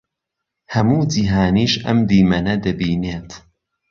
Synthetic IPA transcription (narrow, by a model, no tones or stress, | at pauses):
hɐmuːd͡ʒiːɦaːniːʃʔɐ̰md̪iːmɐnɐd̪ɐbiːneːt̪